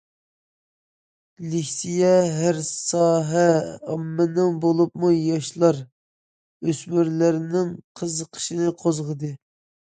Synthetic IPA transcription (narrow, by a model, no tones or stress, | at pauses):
lɪhsijɛɦæɾsɑːɦɛɑ̰mːɨnɨŋbolˠupmujɑʃlˠɑɾ | øsmyɾlɪɾnɪŋqʰəzəqʰə̥ʃinɨqʰozʁəd̪ɨ